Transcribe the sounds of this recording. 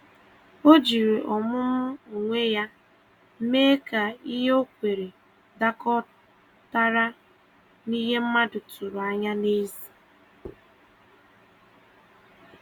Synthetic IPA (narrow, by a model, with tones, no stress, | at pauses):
o˦d͡ʒi˨ɾe˨ʔɔ˨mʊ˦mʊ˦o˨ŋʷe˦ja˦ | m̩˦me˦ka˨i˦ɦe˦o˦kʷe˨ɾe˨ | da˦kɔ˦ | ta˦ɾa˦ | ni˦ɦe˦m̩˦ma˦dʊ˨tʊ˨ɾʊ˨a˦ɲa˦ne˦zi̥˨